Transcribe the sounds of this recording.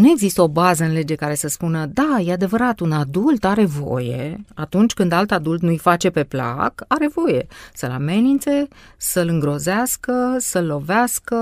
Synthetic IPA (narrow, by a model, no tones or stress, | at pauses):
nue̞ɡzist̪əo̞bazəɨnle̞d͡ʒe̞kaɾe̞səspunəd̪ajead̪e̞vəɾat̪unad̪ult̪aɾe̞vo̞̰je̞̰at̪unt͡ʃʲkɨnd̪alt̪ad̪ult̪nujfat͡ʃe̞pe̞pla̰kaɾe̞vo̞je̞səla̰me̞nint̪se̞səlɨŋɡɾo̞zeaskəsəlːo̞veaskə